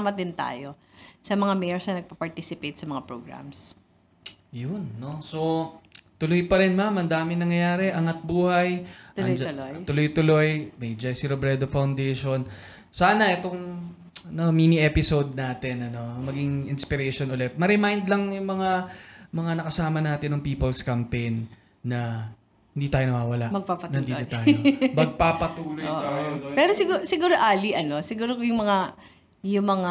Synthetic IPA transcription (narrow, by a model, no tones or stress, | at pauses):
mɐt̪ɪnt̪a̰ːjo | sɐmɐŋamɛjɛɹsnɐnɐɡ̚pɐpɐɹt̪isɪpejt̪̚sɐmɐŋapɹoɡɹa̰ms | jʊnːo̞so̞t̪ʊlojpɐɾɪnmamɐnd̪aːmɪnɐŋjɐjaːɾɛʔɐŋɐt̪̚buːhɐjt̪jd͡ʒloj̪ʊlojt̪ʊlo̞jmɛjd͡ʒɐjsiɾobɾɛd̪ofɐwnd̪ɛjʃo̞n | saːnɐʔɛt̪o̞ŋ | nomiːniʔɛpɪsod̪̚naːt̪ɪnɐno̞ɐmɐɡɪŋʔɪnspɪɾɛjʃonʊlɛt̪̚mɐɾɛmajnd̪lɐŋjʊŋmɐŋamɐŋanɐkɐsaːmɐnaːt̪ɪnːɐŋpiːpɐlskɐmpejnː | ɐ | hɪnd̪iːt̪aːjoɐwaːwɐlaʔmɐɡ̚papɐtnɐnd̪iːot̪aːjomɐɡ̚papɐt̪uːlojoːt̪aːjoopɛɾosɪɡusɪɡuːɾoʔaːliʔɐnosɪɡuːɾokjʊŋmɐŋa | jʊŋmɐŋa